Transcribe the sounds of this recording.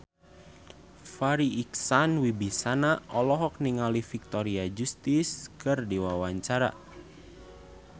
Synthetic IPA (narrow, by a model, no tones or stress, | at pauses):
faɾiːksanwibisanaʔɔlɔɦɔk̚niŋalifik̚t̪ɔɾiad͡ʒust̪iskɨrdiwawaɲt͡ʃaɾa̰